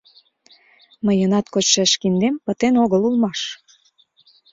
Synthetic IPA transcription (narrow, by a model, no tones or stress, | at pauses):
məjənɑt̪kot͡ɕʃæʃkind̪empə̆t̪enoɣəlulmɑʃ